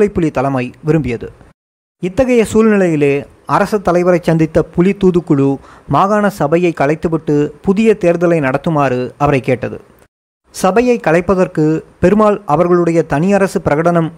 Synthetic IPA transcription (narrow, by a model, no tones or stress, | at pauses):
ɐɪpːʊlɪt̪ɐlɐmɐɪʋɪɾɯmbɪjɐðɯ̰ | ɪt̪ːɐɣɐjɐsuːlnɪlɐjɪleː | ɐɾɐsɯt̪ːɐlɐɪʋɐɾɐɪt͡ʃːɐnd̪ɪt̪ːɐpʊlɪt̪ːuːðɯkːʊɻumaːɣaːnɐsɐbɐjɐɪkːɐɭɐɪt̪ːɯʋɪʈːɯpʊðɪjɐt̪eːɾðɐlɐɪnɐɽɐt̪ːɯmaːrɯɐʋɐɾɐɪkːeːʈːɐðɯ̰ | sɐbɐjɐɪkːɐɭɐɪpːɐðɐrkɯpɛɾɯmaːlʔɐʋɐɾɣɐɭɯɽɐjɐt̪ɐnɪjɐɾɐsɯpɪɾɐɣɐɽɐnɐm